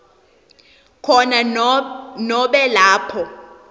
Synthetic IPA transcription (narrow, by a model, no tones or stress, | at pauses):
kʰɔna | nɔɓɛlaːpʰɔ